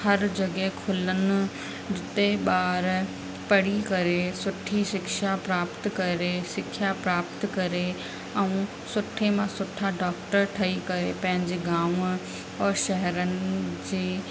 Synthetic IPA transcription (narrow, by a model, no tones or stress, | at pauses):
hɐɾd͡ʑɐɡɦekʰʊlənʊ̆ | ɾɪt̪eɓaːɾ | pɐɽikɐɾesʊʈʰiʃɪkʃapɾaːpt̪kɐɾesɪkʰjapɾaːpt̪kɐɾe | ɛ̃ũ | sʊʈʰemãsʊʈʰaɖaːkʈəɾʈʰɐikɐɾepɐ̃ɦɪ̃ɲd͡ʑeɡãːʋ | ɔːɾʃɐɦɛɾənɪ̆d͡ʑeː